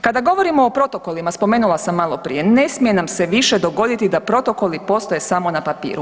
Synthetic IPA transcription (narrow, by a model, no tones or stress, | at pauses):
kad̪aɡo̞ʋo̞ɾimo̞ːpɾo̞t̪oko̞limaspo̞me̞ːnulˠasamːalˠo̞pɾḭje̞ne̞smije̞namseʋiʃe̞d̪o̞ɡo̞d̪it̪id̪apɾo̞t̪o̞ko̞lipo̞st̪ojesamo̞napapḭːɾu